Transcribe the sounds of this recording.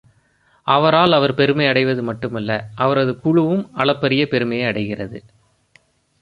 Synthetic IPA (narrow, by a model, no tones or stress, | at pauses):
ʔɐʋɐɾaːlɐʋɐɾpɛɾɯmɐɪɐɽɐɪʋɐðɯmɐʈːɯmɐlːɐʔɐʋɐɾɐðɯkʊɻɯʋɯmɐɭɐpːɐɾɪjɐpɛɾɯmɐjɐɐɽɐɪɣɪrɐðɯ